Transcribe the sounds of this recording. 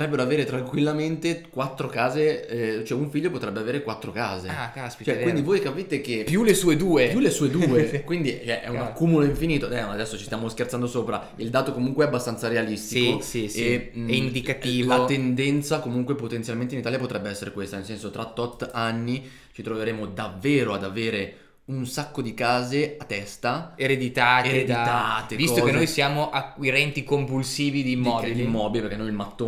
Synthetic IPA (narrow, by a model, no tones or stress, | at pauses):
otɾɛbːeɾoaveːɾet̪ɾaŋkwilːament̪ekwat̪ːɾokaːzeɛt͡ʃoɛuɱfiʎːopot̪ɾɛbːeaveːɾekwat̪ːɾoka̰ːzeaaspit͡ʃɛkind̪ivojkapiːt̪ek̟epjulesuːed̪uːejulːesuːed̪uuːekwind̪it͡ʃoɛʔɛ̰unakːumuloiɱfiniːt̪oɛad̪ɛsːot͡ʃist̪jamoskert̪sand̪osoːpɾa | ild̪aːt̪okomuŋkweɛabːast̪ant̪saɾealist̪ikosieɛind̪ikat̪iːlvat̪end̪ɛnt̪sakomuŋkwepot̪ent̪sjalmẽnt̪einit̪aːljapot̪ɾɛbːeɛsːeɾekwest̪anelsɛnsot̪ɾat̪ːɔt̪ːanːi | t͡ʃit̪ɾoveɾeːmod̪avːeːɾoad̪aveːɾe | unsakːod̪ikaːzeat̪ːɛst̪aeɾed̪it̪aːeɾed̪iat̪evkistɔokenojsjaːmoʔakːwiɾɛnt̪ikompulsiːvid̪iːmːɔːbid̪imːɔːbilipeɾkːenojilmat̪ːo